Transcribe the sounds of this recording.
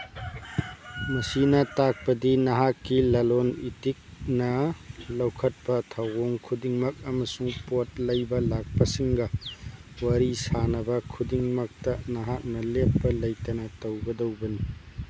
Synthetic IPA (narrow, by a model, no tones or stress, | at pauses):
mɐsinɐtak̚pɐdinɐɦakːilɐlonitik̚nɐlɐwkʰɐt̚pɐtʰawoŋkʰudiŋmɐk̚ɐmɐsuŋpot̚lɐjbɐlak̚pɐsiŋɡɐ | wɐɾisanɐbɐkʰudiŋmɐk̚tɐnɐɦak̚nɐlepːɐlɐjtɐnɐtɐwɡɐdɐwbɐni